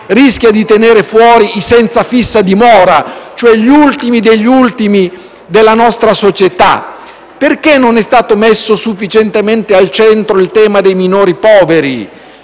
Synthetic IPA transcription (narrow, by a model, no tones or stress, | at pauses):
risk̟jad̪it̪eneːɾefwɔːɾisɛnt̪safisːad̪imɔːɾat͡ʃoɛʎult̪imid̪eʎːult̪imi | d̪elːanɔst̪ɾasot͡ʃet̪a̰ | perkenːonɛst̪aːt̪omesːosufːit͡ʃent̪ement̪ealt͡ʃɛnt̪ɾoilt̪ɛːmad̪ejminoːɾipɔːveɾi